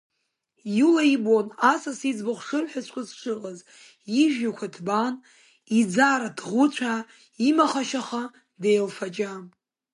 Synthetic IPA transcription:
julaibonasasid͡zbɨχʷʂɨrħasʷkʷʰʼazʂʰʷɨqʼaz | iʒᶣakʷʰadʰban | id͡zaɾadʰʁʷʊt͡ɕʷʰa | imaχaʃaχa | dejlfad͡ʒa

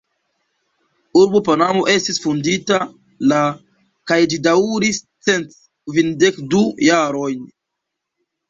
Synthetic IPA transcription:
uɾbopanamo̞ʔe̞stisfundita | la | kajd͡ʒidauɾis | t͡se̞nt | kvinde̞kdujaɾo̞jn

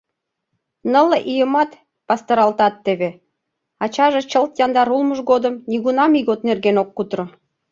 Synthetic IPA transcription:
nə̆lɤʔijəmɑt̪ | pɑst̪ə̆ɾɑlt̪ɑt̪ːeβe | ɑt͡ɕɑʒĕt͡ɕə̆lt̪jɑnd̪ɑɾulməʒɣod̪ə̆mnʲiɣunɑmiɣot̪nerɣenokːut̪rŏ

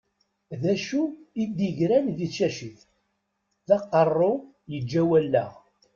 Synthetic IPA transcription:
ðæʃuid̪iʝɾænðiʃæʃiθ | θɑqːərˤːo | jəd͡ʒːæwælːæ̰ʁ

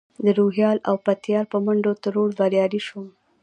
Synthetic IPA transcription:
d̪əɾoɦjɑla̰wpat̪jɑɾpəmaɳɖot̪əɾoɽbaɾjɑɾiʃum

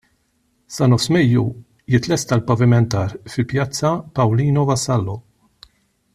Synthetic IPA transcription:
sɐnɔfsmɛjːṵ | jɪt̪ːlɛst̪ɐlpɐvɪmɛnt̪ɐːɾfɪlpjɐt͡sːɐpɐwliːnɔvɐsɐlːɔ

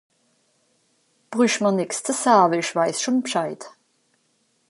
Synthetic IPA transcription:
b̥ʁʏʃmanɪkstʰəshaːbəɪçv̥aɪsʃonpʃaɪt

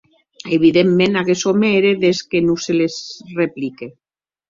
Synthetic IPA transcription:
eβiðemːenaɣesomeɾeðeskenuselesreplike

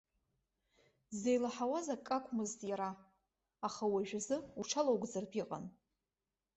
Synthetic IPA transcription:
zejlaħawazakʼːakʷʰʼmɨztʼjaɾaː | χawaʒᶣazɨuʈ͡ʂʰalowɡʷd͡zarpʰʼiqʼa̰n

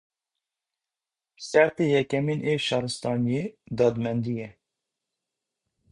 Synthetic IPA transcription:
sæɾt̪eːjɛkɛmenʔeːʃɑːɾɨst̪ɑːnijeːd̪ɑːd̪mɛnd̪ijɛ

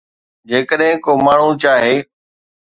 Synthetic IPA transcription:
d͡ʒeːkəɗɦɪ̃koːmaːɳ̤ũt͡ʃaːɦeː

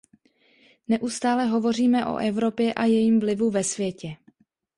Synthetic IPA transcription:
nɛʔust̪aːlɛɦo̞vo̞riːmɛʔo̰ʔɛvɾo̞pjɛʔajɛjiːmvlɪvuvɛsvjɛcɛ

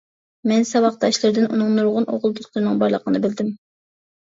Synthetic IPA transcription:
mɛnsɑwɑχt̪ɑʃlˠɨɾd̪ɪnʔunɨŋnuɾʁʊnʔo̰ʁlˠd̪ut̪lˠɨɾɨnɨŋbɑɾlˠəqʰənɨbɪld̪ɪm

